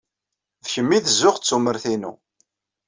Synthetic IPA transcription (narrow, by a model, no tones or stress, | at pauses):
ðçəmːiðəzːʊχt͡sːuməɾθinṵ